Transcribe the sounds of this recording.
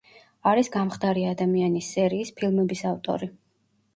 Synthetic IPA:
aɾisɡamχd̪aɾiad̪amianisːɛɾiːspʰilˠmɛbisaft̪ʼɔ̰ɾi

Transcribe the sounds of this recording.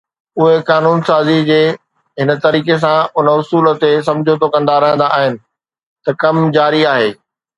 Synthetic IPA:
ʊɦekaːnuːnsaːzid͡ʑeː | ɦɪnə̆t̪ɐɾiːkes̬ãʊnəʊsuːlt̪es̬ɐ̃md͡ʑʱot̪ʰokɐ̃nd̪aɾɐɦə̃nd̪aːɦɪnɪ̆ | t̪ɐkɐmd͡ʑaːɾiaːɦeː

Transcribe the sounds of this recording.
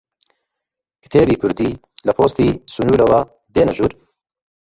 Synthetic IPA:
kɨ̥t̪ʰeːbiːkʰʊɾd̪iː | lɐpʰoːst̪iːsunuːɾɐwaː | d̪eːnɐʒuːɾ

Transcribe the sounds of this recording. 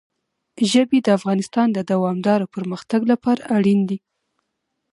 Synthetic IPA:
ʒəbed̪əafɣɑnɪst̪ɑnd̪əd̪awɑmd̪ɑɾopəɾməxt̪aɡlapɑɾaʔaɽind̪i

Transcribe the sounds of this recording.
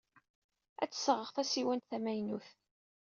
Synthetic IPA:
æ̰t͡sːsəʁəʁθæsiwænt̪θæmæjnuθ

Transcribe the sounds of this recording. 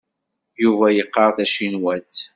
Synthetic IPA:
juvæjəqːɑɾθæʃinwæt̪

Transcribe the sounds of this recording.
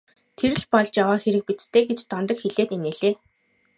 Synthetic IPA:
t̪ʰeɾɘ̆ɮpɔɮt͡ɕjawaːxeɾɘ̆k̚pit͡s̪t̪ʰeːɡet͡ɕt̪ɔnt̪ɞ̆kxeɮeːt̪eneːɮeː

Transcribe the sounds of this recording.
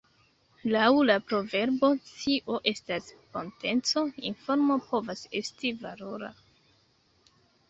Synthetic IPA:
lawlapɾo̞ve̞ɾbo̞t͡siʔo̞ʔe̞stasko̞nte̞nt͡so̞ḭnfo̞ɾmo̞po̞vase̞̰stivalo̞ɾa̰

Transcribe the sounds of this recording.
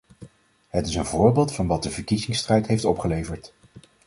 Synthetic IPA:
ɦətɪsənvʊːɹbɪːlˠtfɑnʋɑt̚dəvəɹkizɪŋstrɛjtɦejftɔpχəlejvəɹt

